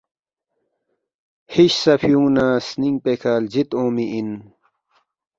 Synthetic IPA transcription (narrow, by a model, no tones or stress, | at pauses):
hiɕsɐfʰjũːnaːsniŋ̚pekʰaːld͡ʑit̪õːmiʔin